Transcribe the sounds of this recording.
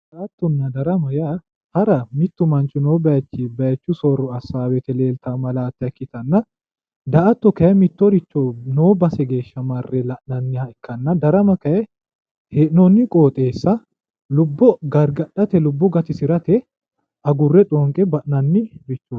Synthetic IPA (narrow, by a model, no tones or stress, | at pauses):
d̪ɐʔɐt̪ːɔnːɐd̪ɐɾɐmɐjɐ | hɐɾɐmɪt̪ːʊmɐnt͡ʃʼːʊnoːbɐjɐt͡ʃːibɐjɐt͡ʃːʊsɔɾːɔɐsaːwɛt̪ɛle̞ːlt̪amɐlaːt̪ːɐkːɪt̪ɐnːɐ | d̪ɐʔɐt̪ːɔkɐjɐmɪt̪ːɔɾɪt͡ʃːonoːbɐsɛɡe̞ːʃːɐmɐrːɛlɐʔnɐnːɪɐkːɐnːɐd̪ɐɾɐmɐkɐɛ | heːʔnɔnːɪkʼoːt̪ʼe̞ːsːɐ | lʊbːɔɡɐɾɡɐɗɐt̪ɛlʊbːɔɡɐt̪ɪsɪɾɐt̪ɛ | ɐɡʊrːɛᶑʼɔŋkʼɛbɐʔnɐnːɪɾɪt͡ʃːo